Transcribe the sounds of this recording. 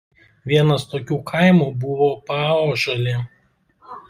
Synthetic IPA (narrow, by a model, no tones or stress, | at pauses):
ʋʲiɛnɐst̪oːkʲuːkʰɐɪmuːbʊʋoːpɑːoːʒolʲe